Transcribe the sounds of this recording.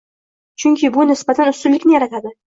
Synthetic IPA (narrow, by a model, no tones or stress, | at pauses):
t͡ʃʰʊŋkʲɪbʊnɪsbat̪ʰanʊst̪ʊlːɪkʲnɪjaɾat̪ʰad̪ɪ